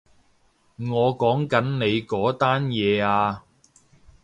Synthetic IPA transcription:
ŋɔː˨˧kɔː˨˥ŋkɐ˨˥nne˨˧jkɔː˨˥t̪aː˥njɛː˨˧aː˧

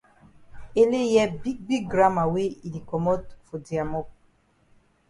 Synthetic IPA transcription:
e˦le˦jɛ˦bi˦k̚bi˦ɡ̚ɡɾa˦ma˨we˦i˨li˨kɔ˨mɔ˦tfo˨di˨a˨mɔ˦p̚

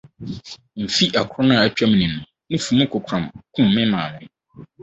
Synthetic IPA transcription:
m̩˨fi˦ʔa˨kʰɾɔ˦nʊ̃˦˨a˨t͡ɕᶣa˦m˨nĩ˨nʊ̃˨ | nʊ̃˦fũ˨mũ˦kʰʊ˨kʷʰɾã˨mkʰũ˦m̩ː˨ɪ̃˦mãː˨nʊ̃˨

